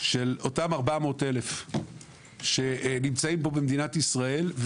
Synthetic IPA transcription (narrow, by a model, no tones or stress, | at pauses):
ʃe̞lo̞tamaʁbamo̞te̞le̞f | ʃe̞nimt͡saimbo̞bemd̪inatisʁae̞lv